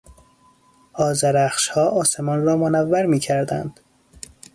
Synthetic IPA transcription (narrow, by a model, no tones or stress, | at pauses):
ʔɒːzæɾæxʃhɒːʔɒːsemɒnrɒːmonævːæɾmiːcʰæɾd̪æ̰nd̪̥